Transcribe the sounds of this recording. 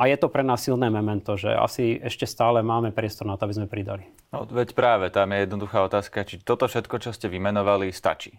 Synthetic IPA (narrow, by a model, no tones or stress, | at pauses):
ʔajɛt̪ɔpɾɛnaːsːilnɛːmɛmɛnt̪ɔʒɛ̰a̰siɛʃcɛst̪aːlɛmaːmɛpɾɪɛst̪ɔɾnat̪ɔabizmɛpɾid̪a̰li | nɔ̰ʋɛcpɾaːʋɛt̪amjɛjɛd̪nɔd̪uxaːɔt̪aːskat͡ʃit̪ɔt̪ɔfʃɛt̪kɔt͡ʃɔscɛʋimɛnɔʋalist̪a̰t͡ʃiː